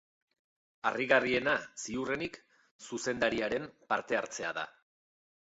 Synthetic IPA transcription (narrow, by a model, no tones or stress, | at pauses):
a̰riɣarie̞nasiurenik | suse̞nd̪aɾiaɾe̞mpaɾt̪e̞aɾt͡se̞aða̰